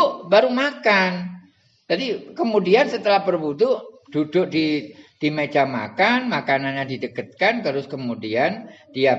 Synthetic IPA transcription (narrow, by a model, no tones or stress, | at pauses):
ʊʔbaɾumakan | d͡ʒadikəmudiansət̪əlahpərbut̪ʊʔd̥udʊʔ̚did̥imet͡ʃama̰kanmakananɲadidəkət̪̚kankəɾʊskəmudiandia